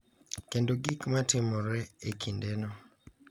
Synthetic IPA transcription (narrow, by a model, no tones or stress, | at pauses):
kendoɡikmatɪmɔɾɛekʰindenɔ